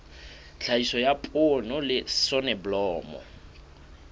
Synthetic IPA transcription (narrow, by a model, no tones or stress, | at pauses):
ɬʰaisɔjapʼonɔlɪsɔnɛblɔːmɔ̰